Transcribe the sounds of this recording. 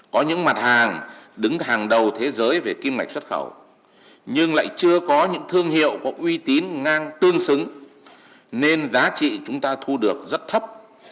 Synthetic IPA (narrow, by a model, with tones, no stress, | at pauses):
kɔ˨˦ɲɨ̰˧˥ŋma˨˩t̚haː˨˩ŋɗɨ˨˦ŋɦaː˨˩ŋɗə˨˩wt̪ʰe˨˦zəː˨˦jve˨˩ki˧mŋa˨˩k̟̚swə˦˥t̚xə̰˧˩w | ɲɨ˧ŋla̰ː˧˨jt͡ɕɨ˧əkɔ˨˦ɲɨ̰˧˥ŋt̪ʰɨ˧əŋɦḭ˧˨əwkɔ˨˦ʔwi˧t̪i˨˦nŋaː˧ŋt̪ɨ˧əŋsɨ˨˦ŋ | ne˧nzaː˨˦t͡ɕḭ˧˨t͡ɕʊ˨˦ŋ͡mt̪aː˧t̪ʰu˧ɗɨ˨˩ək̚zə˦˥t̚t̪ʰə˦˥p̚